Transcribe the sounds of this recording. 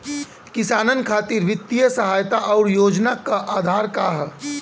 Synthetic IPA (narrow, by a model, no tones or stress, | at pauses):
kɪsaːnənkʰaːt̪ɪɾʋɪt̪ːijəsəɦaːjt̪aʔɔːɾjoːd͡ʒnakaʔaːd̪ʱaːɾkaɦɛ